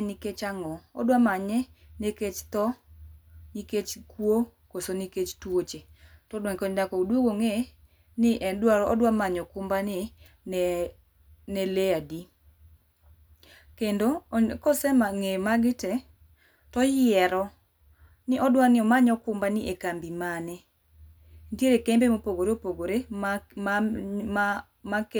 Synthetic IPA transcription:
nɪket͡ʃaŋɔɔ̰dwamaɲɛneket͡ʃt̪ɔ | niket͡ʃkwo | kosoniket͡ʃtwot͡ʃetɔdwɛŋkɔɲdakɔudwoɡoŋe | nɪʔɛndwaɾɔɔdwamaɲɔkʊmbanɪ | nɛleadi | kendokɔsɛmaŋemaɡɪtɛ | tɔjɪɛɾɔ | nɪʔɔdwanɪɔmaɲɔkʊmbanɪʔekambimanɛ | nteɾekembemopoɡoɾeopoɡoɾe | mak

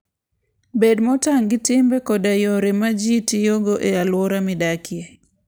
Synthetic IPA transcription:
bedmɔtaŋɡɪtɪmbɛkɔdajoɾemad͡ʒitijoɡoʔealwɔɾamɪdakʰje

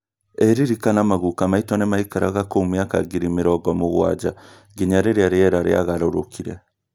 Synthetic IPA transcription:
eɾiɾikanamaɣukamaitwɔnemaikaɾaɣakomeaka̰ɡiɾimeɾɔɡɔmoɣwa̰d͡ʒa | ɡiɲaɾeɾeaɾeɛɾaɾḛa̰ɣaɾoɾokʰiɾɛ

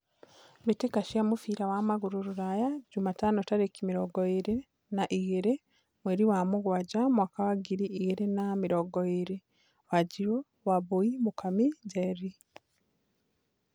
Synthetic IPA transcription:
mitekaʃiamufiːɾawamaɣuɾuɾuɾajaɟumatanotaɾekimiɾoɡoiɾe | naʔiɣeɾe | mweɾiwamuɣwaɟamwakawaɡiɾiːɣeɾenamiɾoɡoiɾi | waɟiɾo | waβoimukamiɟeɾi

